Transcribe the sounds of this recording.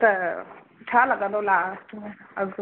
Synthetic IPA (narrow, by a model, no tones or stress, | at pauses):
t̪ə | ʈʰaləɡəd̪olasʈmeəɡ